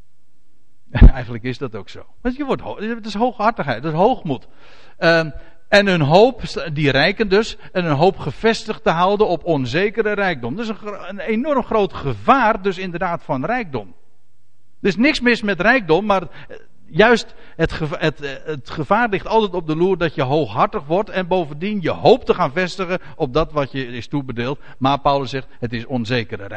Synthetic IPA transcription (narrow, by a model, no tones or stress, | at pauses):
ɛjɣəndləkɪsdɑtoːkso̰ːʋɑtjəʋɔtotɪsɦowxɑɹtəχɦɛjt̚dəsɦowxmut | ɛnənɦoːpdirɛjkəndøs | ɛnənɦowpχəfɛstəχtəɦawdənɔpɔnzeːkəɾərɛjɡ̚dɔmdəɪsənənenɔrmχrowtχəvaːrdøsɪndərdaːtfɑnrɛjɡ̚dɔm | dɪsnɪksmɪsmɛtrɛjk̚dɔmːaːr | jœɥst | ətəətətχəv̥aːrlɪχtɑlˠtɛjtɔb̚dəluːrdɔtjəɦowxɦartəχʋɔrtɛnbowvəndinjəhowp̚təχaːnvɛstəɣə | ɔp̚dɑtʋɑtjəɪstubədeːlˠt | maːrpawləsːɛχthətɪsɔnzejkəɾə̰r